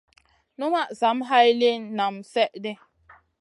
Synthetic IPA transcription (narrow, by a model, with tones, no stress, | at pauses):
nu˦ma˦ʔza˨˦mɦa˦jle˦nna˨msɛ˦ʔde˦